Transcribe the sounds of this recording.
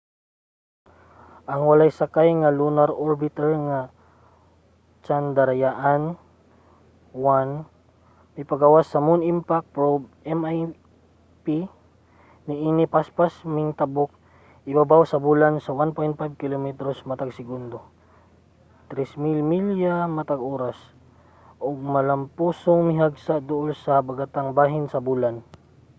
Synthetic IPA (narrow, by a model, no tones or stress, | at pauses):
ʔɐŋwɐlajsakajŋalunaɾoɾbɪt̪ɛɹŋa | t͡ʃand̪ɐɾajaʔan | wan | mɐpaɡawasːɐmunɪmpak̚pɾob̚ | ɛmaj | pi | nɪʔinɪpaspasmɪŋt̪ɐbok̚ | ʔɪbabawsɐbuːlansɐwanpojnt̪̚pajb̚kɪlomɛt̪ɾosmɐt̪aɡsɪɡund̪o | t̪ɾɛsmilmiljamɐt̪aɡʔoːɾas | ʔoɡ̚mɐlɐmpuːsoŋmɪɦaɡsaʔd̪ʊʔolsɐbɐɡat̪aŋbaːɦɪnsɐbuːlan